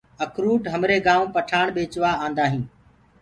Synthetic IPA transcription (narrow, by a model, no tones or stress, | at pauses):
əkɾuːʈɦəmɾeːɡãːʋũːpəʈʰaːɳ̃ɓeːt͡ʃʋaːãːnd̪aːɦĩː